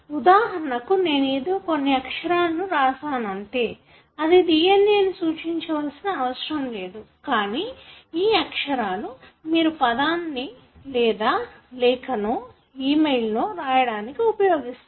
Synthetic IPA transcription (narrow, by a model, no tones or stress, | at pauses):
ud̪aːɦɐɾɐɳɐkune̞ːneːd̪oːko̞nːiɐkʂɐɾaːlɐnuɾaːsaːnɐɳʈe̞ː | ɐd̪id̪ijenːeːnusuːt͡ʃiɲt͡ʃɐʋɐlsinɐːʋɐʃɾɐmle̞ːd̪u | kaːniiːɐkʂɐɾaːlumiːɾupɐd̪aːnːi | lɛːd̪aːlɛːkɐnoː | iːmejlnoːɾaːjɐɽaːnikiupɐjoːɡist̪u